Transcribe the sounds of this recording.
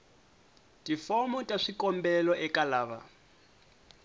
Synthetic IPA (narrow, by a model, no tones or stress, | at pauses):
tʼifɔmɔtʼaʂikʼɔmbɛlɔʔɛkʼalaːβa̰